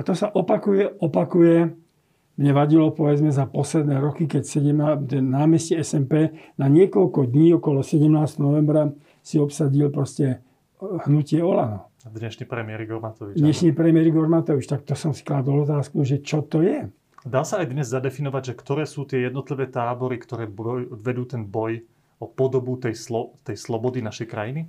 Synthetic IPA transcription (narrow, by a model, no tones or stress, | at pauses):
at̪ɔsaʔɔpakujɛʔɔpakujɛ | mɲɛʋaɟilɔpɔʋɛd͡zmɛzapɔslɛd̪nɛːɾɔkikɛcsɛɟɛmat̪ɛnnaːmɛscɛɛsɛmpɛːnaɲɪɛkɔʎkɔd̪ɲiːɔkɔlɔsɛɟɛmnaːst̪nɔnɔʋɛmbɾa | siɔpsaɟilpɾɔscɛ | hnucɪɛɔlanɔ | d̪ɲɛʃniːpɾɛmɪɛɾiɡɔɾmat̪ɔʋid̪t͡ʃɲɛʃɲiːpɾɛmɪɛɾiɡɔɾmat̪ɔʋit͡ʃt̪akt̪ɔsɔmsi̥klad̪ɔlɔt̪̬aːskuʒɛt͡ʃɔt̪ɔjɛ | d̪aːsaːjd̪ɲɛzzad̪ɛfinɔʋaɟʒɛkt̪ɔɾɛːsuːt̪ɪɛjɛd̪nɔt̪liʋɛːt̪aːbɔɾikt̪ɔɾɛːɔʋɛd̪uːt̪ɛnbɔj | ɔpɔd̪ɔbut̪ɛjslɔt̪ɛjslɔbɔd̪inaʃɛjkɾajini